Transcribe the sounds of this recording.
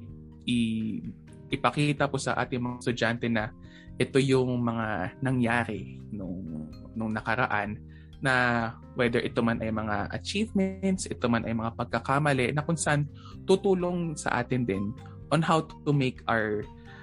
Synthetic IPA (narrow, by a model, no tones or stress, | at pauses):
ʔɪ | ʔɪpɐkiːt̪ɐposɐ̰ʔa̰ːt̪ɪŋmɐŋast̪ʊd͡ʒant̪ɛnɐ | ʔɛt̪o̞jʊŋmɐŋanɐŋjaːɾɪnʊŋ | nʊŋnɐkɐɾɐ̰ʔanː | ɐ | wɛd̪ɛɹʔɛt̪o̞manʔɐjmɐŋaʔɐ̰t͡ʃivmɛnt̪sʔɛt̪omanʔɐjmɐŋapɐɡ̚kɐkamɐlɛʔnɐkʊnsɐʔan | t̪ut̪uːlo̞ŋsɐ̰ʔa̰ːt̪ɪnd̪ɪn | ʔonhawt̪ʊmejkʰʔaɹ